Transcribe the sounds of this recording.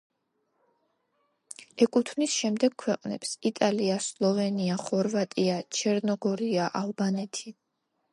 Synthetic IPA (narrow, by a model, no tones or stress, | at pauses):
ɛkʼut̪ʰnisʃɛmd̪ɛɡ̚kʰːwɛqʼnɛ̰psit̪ʼaliaslˠɔvɛniaχɔɾvat̪ʼiat͡ʃʰɛɾnɔɡɔɾiaʔalˠbanɛt̪ʰi